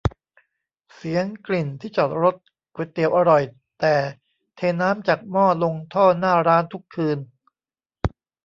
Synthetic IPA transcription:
si˨˩˦əŋkli˨˩nt̪ʰiː˥˩t͡ɕɔː˨˩t̪̚ɾo˦˥t̪̚ | kwe˨˩t̪ːi˨˩əwʔa˧ɾɔ˨˩j | t̪ɛː˨˩ | t̪ʰeː˧nːaː˦˥mt͡ɕaː˨˩k̚mɔː˥˩lo˧ŋt̪ʰɔː˥˩naː˥˩ɾaː˦˥nt̪ʰu˦˥kʰːɯː˧n

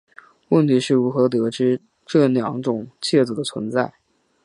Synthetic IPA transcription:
wə˥˩nt̪ʰi˧˥ʂɻ̩˥˩ɻu˧˥xɤ˧˥t̪ɤ˧˥ʈ͡ʂɻ̩˥ | ʈ͡ʂɤ˥˩ljɑ˧˥ŋʈ͡ʂʊ˨˩ŋt͡ɕʰjɛ˥˩t͡sɤ˨˩d̪ə˦t͡sʰwə̰˧˥nt͡sa˥˩ɪ

